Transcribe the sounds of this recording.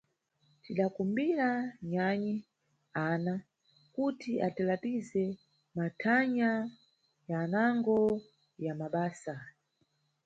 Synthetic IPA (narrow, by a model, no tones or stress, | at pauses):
tiɗakumbiɾaɲaɲi | ana | kutiʔatilapizɛ | matʰaɲa | janaŋɡɔ | jamaɓaːsa